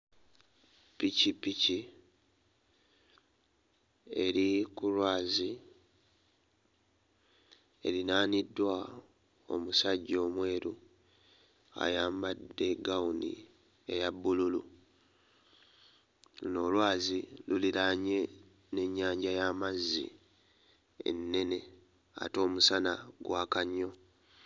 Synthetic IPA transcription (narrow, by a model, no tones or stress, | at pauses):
picipici | e̞ɾikulwaːzi | e̞ɾinaːnidːwa | o̞̰musaɟːo̞ːmwe̞ːɾu | a̰jaːmbadːe̞ɡaunḭ | e̞̰jabːululṵ | no̞ːlwaːziluliɾaɲe̞ | ne̞ɲːaːɲɟajaːmazːḭ | ḛnːe̞ne̞ | a̰to̞ːmusanaɡwʔaːkaɲːo̞